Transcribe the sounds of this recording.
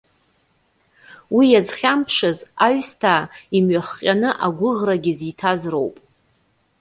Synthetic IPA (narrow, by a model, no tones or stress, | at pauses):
wijazχʲampʰʂazaɥstʰaimɥaχqʲʼanɨʔaɡʷʊʁraɡʲɪzitʰazro̞̰wpʼ